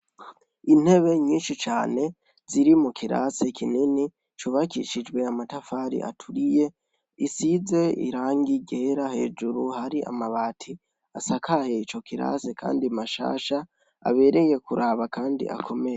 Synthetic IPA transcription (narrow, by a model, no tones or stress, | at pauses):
in̥he̞βe̞ɲiːnʃit͡ʃaːne̞ | z̥iɾimukʰiɾa̰sekʰinini | t͡ʃuβakḭʃid͡ʒwe̞amatafaɾḭʔa̰tʰuɾije̞ | isize̞ḭɾaːŋɡiɟe̞ːɾahe̞̰ːd͡ʒuɾuhaɾiʔa̰maβaːtʰi | asakʰaheit͡ʃo̞kiɾa̰sekʰa̰ːndimaʃa̰ːʃa | a̰βe̞ːɾe̞je̞kuɾʔaβakaːndḭʔa̰kʰo̞me̞je